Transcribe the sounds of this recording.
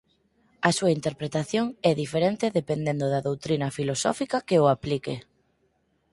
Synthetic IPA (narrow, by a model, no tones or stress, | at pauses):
ɐsuɐint̪eɾpɾet̪aθjoŋɛðifeɾent̪eðepend̪end̪ʊðɐðowt̪ɾinɐfilosɔ̰fikɐkeʊaplike